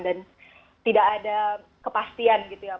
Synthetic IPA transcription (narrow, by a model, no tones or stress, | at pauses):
dan | t̪idakada | kəpast̪ianɡit̪uja